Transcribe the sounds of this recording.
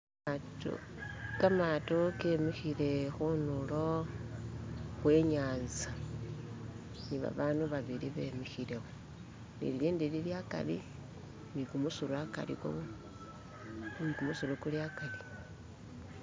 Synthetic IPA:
t | kamatokemixile̞xunulo̞ | xwe̞ɲaːnza | niβa̰βaːnuβaβiɾiβe̞mixileo | nḭlliːndililjaka̰li | nikumusulaka̰lḭko̰ | nikumusulukuljakali

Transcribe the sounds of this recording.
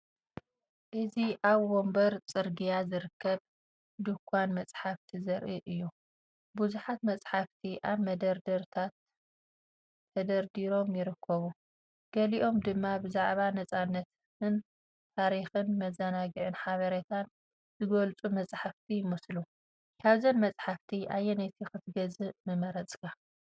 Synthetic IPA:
ʔɨziʔaβwombɐɾt͡sʼɨɾɡijazɨɾɨkʰːɐβ | d̪ɨkʷʰːanmɐt͡sʼħaft̪ʰizɐɾʔiʔɨjːu | buzuħat̪mɐt͡sʼħaft̪ʰiʔaβmɐd̪ɐɾd̪ɐɾt̪ʰat̪ | ɐd̪ɐɾd̪iɾo̞mjɪɾɨkʰːɐβu | ɡ̥ɐliʔo̞md̪ɨmːabɨzaʕβanɐt͡sʼanːɐt̪ | ɨn | t̪ʰaɾixɨnmɐzɐnaɡɨʕɨnħaβɐɾɐt̪ʰan | zɨɡɐlt͡sʼumɐt͡sʼħaft̪ʰijɪmɨslu | kʰaβzɐnmɐt͡sʼħaft̪ʰiʔajːɛnɐt̪ʰixɨt̪ʰɡɐzɨmɨmɐɾɐt͡sʼkʰa

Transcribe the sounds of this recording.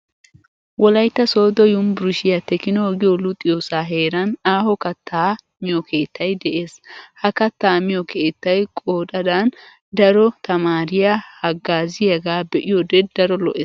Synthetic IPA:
wɔlɐjt̪ːɐso̞ːd̪ɔjʊmbʊɾʊʃɪjɐt̪ːɛkɪnɔɡɪjɔlʊt̪ʼɪjoːsaːɦe̞ːɾɐnaːhɔkɐt̪ʰːaː | mɪjɔkʰe̞ːt̪ʰːɐjd̪ɛʔe̞ːshɐkɐt̪ːaːmɪjɔkʰeːt̪ːɐjkʼoːᶑɐd̪an | d̪ɐɾɔt̪ɐmaːɾɪjahɐɡːaːzɪjɐɡaːbɛʔɪjɔd̪ɛd̪ɐɾɔlɔ̰ʔeːs

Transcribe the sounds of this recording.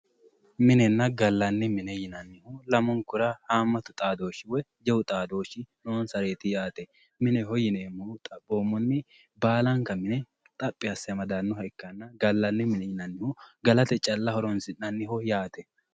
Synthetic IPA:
mɪnɛnːɐɡɐlːɐnːɪmɪnɛjɪnɐnːɪhʊlɐmɔŋkʊɾɐhaːmːɐt̪ʊt̪ʼaːd̪o̞ːʃɪwɛd͡ʒɛwʊt̪ʼaːd̪o̞ːʃɪnoːnsɐɾe̞ːt̪ɪjaːt̪ɛ | mɪnɛhɔjɪneːmːʊt̪ʼɐboːmːɔnːɪ | baːlɐŋkːɐmɪnɛ | t̪ʼɐpʼːɪɐsːɛjɐmɐd̪anːʊɦɐɪkːɐnːɐɡɐlːɐnːɪmɪnɛjɪnɐnːɪhʊɡɐlɐt̪ɛt͡ʃʼɐlːɐhɔɾɔnsɪnːɐnːɪhʊjaːt̪ɛ

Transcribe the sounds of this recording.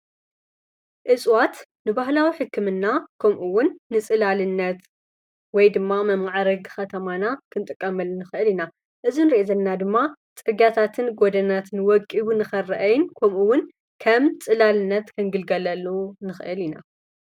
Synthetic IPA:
ʔɨsʼwat̪nɨbaɦlawiħɨkʰːɨmɨnːakʰomʔuwʊnːɨt͡sʼɨlalɨnːɐt̪ | wɔjd̪ɨmːamɐmaʕaɾɐɡxɐt̪ʰɐmanakʰɨnt̪ʼɨkʼːɐmɐlnɨxɨʔɨlina | ʔɨzinɨɾiʔezɐlnad̪ɨmːat͡sʼɨɡjat̪ʰat̪ʰɨnɡod̪ɐnat̪ʰɨnwɔkʼːibunɨxɐrːɐʔɐjɪnkʰomʔuwʊn | kʰɐmt͡sʼɨlalɨnːɐt̪kʰɐŋɡɨlɡɐlɐlːunɨxɨʔɨlina̰

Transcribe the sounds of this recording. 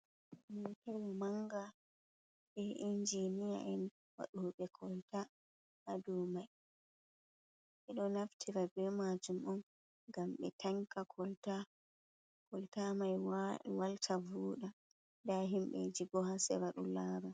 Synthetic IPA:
initewimaŋɡa | ɓɛʔind͡ʒinija̰ʔɛn | wa̰ɗuɓɛkʰɔlta | ʔːdumaj | ʔɛɗɔnaftʰiɾabɛmad͡ʒumɔn | ɡamɓɛ̰tʰaŋkakʰɔlta | kɔltamajwaltʰavuːɗa | daɦimɓɛ̰d͡ʒiɡɔɦasɛ̰waɗṵlaːɾa

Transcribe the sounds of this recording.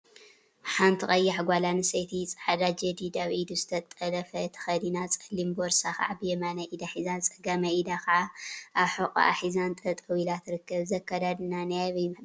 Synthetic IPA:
ħant̪ʰiχʼɐjːaħɡʷalanɨsɐjt̪ʰit͡sʼɐħad̪ad͡ʒɐd̪id̪aβʔid̪uzɨt̪ʰɐt̪ʼɐlɐfɐt̪ʰɐ̥xɐd̪inat͡sʼɐlːimboɾsaxa̰abjɛmanɐʔid̪aħizant͡sʼɐɡɐmɐʔid̪akaaʔaβħokʼa̰ʔa̰ħizant̪ʼɐt̪ʼɨwilat̪ɾɨkːɐβzɐkːad̪ad̪ɨnanɐjaβim

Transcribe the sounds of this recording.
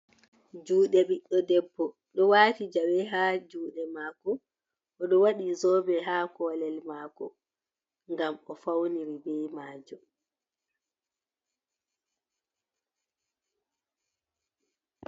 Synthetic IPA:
d͡ʒuːɗɛɓiɗːɔdɛbːɔ | ɗɔwaːtid͡ʒawɛɦaːd͡ʒuːɗɛmaːkɔ | ʔɔɗɔwaɗizɔːbɛɦaːkɔːlɛlmaːkɔ̰ | ŋɡamɔfawniɾibɛjmaːd͡ʒɔ

